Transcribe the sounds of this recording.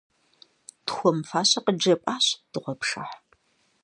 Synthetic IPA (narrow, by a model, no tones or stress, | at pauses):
txʷɔmfaːɕɐqəd͡ʒɐpʼaːɕd̥ɨʁʷɔpʂɐħ